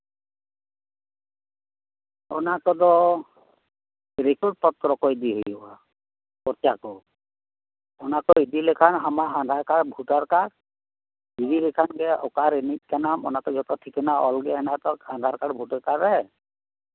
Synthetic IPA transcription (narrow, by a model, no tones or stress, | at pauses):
ɔnakɔd̪ɔ | ɾikɔɾ̚pɔt̪ɾɔkɔjd̪iɦuja | kɔɾt͡ʃakɔ | ɔnakɔid̪ilɛkʰanamaand̪ʱaɹkaɹbʱutaɹkaɾ | bibilɛkʰanɡɛʔɔkaɾenit̚ˀkanamɔ̰nakɔd͡ʒɔt̪ɔtʰikʰɛnaʔɔlɡɛɛnat̪ɔand̪ʱaɹkaɹbʱutaɹkaɾɛ